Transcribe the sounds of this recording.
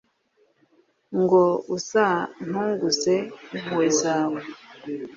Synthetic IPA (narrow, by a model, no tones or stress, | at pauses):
ŋɡousan̥huːŋɡusemwesawe